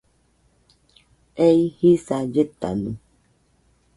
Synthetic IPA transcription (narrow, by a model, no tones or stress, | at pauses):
eihisad͡ʒet̪a̰nu